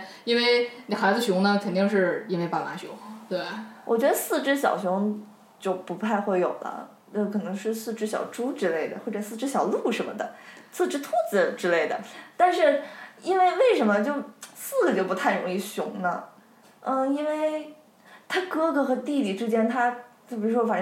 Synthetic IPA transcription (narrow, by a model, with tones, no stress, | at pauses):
i˥nwe˥˩ɪni˨˩xa˧˥ɪd͡zɹ̩˧ɕ̬ʊ˧˥ŋnə˧kʰə˨˩nt̪i˥˧ŋʂɻ̩˥˩i˥nwe˥ɪpa˨˩ma˧˥ɕʊ˧˥ŋt̪we˥˩ɪwʔɔ˨˩t͡ɕɥɛ˧˥d̪ə˧sɹ̩˥˧ʈ͡ʂɻ̩˥ɕ̬jɑ̰˨˩ʊɕjʊ˧˥ŋ | t͡ɕjo˥˧ʊpu˧˥pʰa˥˧ɪxwe˥˩ɪjo̰˨˩ʊd̪ə̰˦ | ə˥˩kʰɤ˨˩nɤ˧˥ŋʂɻ̩˥˧sɹ̩˥˩ʈ͡ʂɻ̩˥ɕjɑ̰˨˩ʊʈ͡ʂu˥ʈ͡ʂɻ̩˥le˥˩ɪd̪ə̰˩xwʈ͡ʂə˨˩sɹ̩˥˩ʈ͡ʂɻ̩˥ɕjɑ˨˩ʊlu˥˩ʂə˧˥mə̰˧˩d̪ə̰˩sɹ̩˥˩ʈ͡ʂɻ̩˥t̪ʰu˥t͡sɹ̩˨˩ʈ͡ʂɻ̩˥le˥˩ɪd̪ə̰˩t̪a˥˧nʂɻ̩˥˩i˥nwe˥˧ɪwe˥˩ɪʂə˧˥nmə˧t͡ɕjo˥˧ʊsɹ̩˥˩ɡə˩t͡ɕjo˥˩pt̪ʰa˥˩ɪɻʊ˧˥ŋi˥˩ɕjʊ̰˧˥ŋnə̰˧ | ə˩i˥nwe˥˩ɪ | t̪ʰa˥kɤ˥ɡɤ˧˥xɤ˧˥t̪i˥˩li˨˩ʈ͡ʂɻ̩˥t͡ɕjɛ˥˩nt̪ʰa˥˩ | i˨˩˥ʂwɔ˥˩fa˨˩ʂ